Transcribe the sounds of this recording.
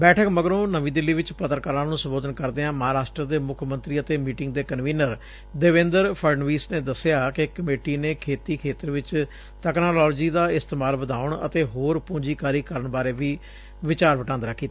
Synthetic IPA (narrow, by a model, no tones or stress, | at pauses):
bɛːʈʰəkməɡɾõːnəʋĩːd̪ɪlːiːʋɪt͡ʃpɾət̪əɾkəɾãːnũːsəmboːd̪ənkəɾd̪eːãːməɦaːɾaːʃʈɾəd̪eːmʊkʰmənt̪ɾiːət̪eːmiːʈɪ̃ŋɡd̪eːkənʋiːnəɾ | d̪eːʋẽːnd̪əɾpʰəɾɳʋiːsneːd̪əsɪjaːkɪkəmeːʈiːneːkʰeːt̪iːkʰeːt̪əɾʋɪt͡ʃ | t̪əknaːlɔːld͡ʒiːd̪aːɪst̪eːmaːlʋəd̪aːʊɳə̰t̪eːɦoːɾpũːɲd͡ʒiːkaːɾiːkəɾəɳbaːɾeːʋiː | ʋɪt͡ʃaːɾʋəʈãːnd̪ɾaːkʰːiːt̪aː